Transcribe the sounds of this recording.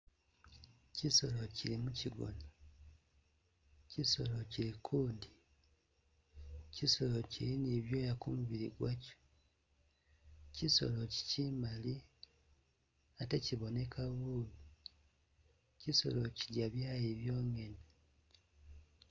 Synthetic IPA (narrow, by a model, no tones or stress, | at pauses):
ciso̞lo̞cilimuciɡo̰na | ciso̞lo̞cilikʰuːndi | ciso̞lo̞ciliniβjo̞jakumuβiɾḭɡwaco̥ | ciso̞̰lo̞ci̥cimali | ate̞ciβo̞ne̞kʰaβulu | ciso̞lo̞ciɾɟaβjaːjeβjo̞ːŋe̞ne